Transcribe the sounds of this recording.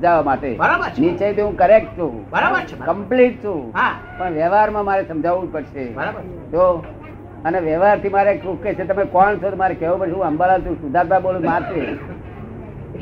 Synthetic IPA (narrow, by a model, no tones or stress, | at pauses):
d͡ʒaʋamaʈḛɾaənit͡ʃəit̪eɦũkəɾek̚ʈ̚t͡ʃʰũbɾaəkəmpliʈ̚t͡ʃʰũɦa | pəɳʋjɛʋaɾmãmaɾesəmd͡ʒʱaʋũpəɾʃebəɾabə | t̪o | əneʋjeʋaɾt̪ʰimaɾekũkːet͡ʃʰet̪əmekɔɳt͡ʃʰot̪omaɾekɛʋũpəɾʃeɦũɦəmbalat͡ʃʰũsud̪ʱat̪abolũmaɾte